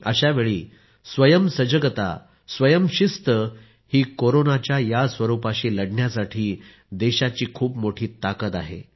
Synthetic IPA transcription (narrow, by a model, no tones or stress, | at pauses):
ə̰ɕaʋeɭiː | sʋəjəmsəd͡ʑəɡət̪a̰ | sʋəjəmɕist̪ə | hiːkoɾonat͡ɕjajasʋəɾupaɕiːləɽɳjasaʈʰiː | d̪eɕat͡ɕiːkʰuːpmoʈʰiːt̪akət̪aɦḛ